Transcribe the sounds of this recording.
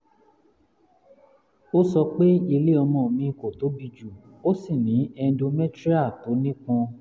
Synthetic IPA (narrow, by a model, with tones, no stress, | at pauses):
o˦sɔ˧k͡pe˦i˧le˦ɔ˧mɔ̃˨mĩ˧ko˨to˨˦bi˧d͡ʒu˨ | o˦si˦˨nĩ˨˦ɛ˧˦do˧mɛ˦tɾi˦a˦˨to˨˦nĩ˦k͡pɔ̃˧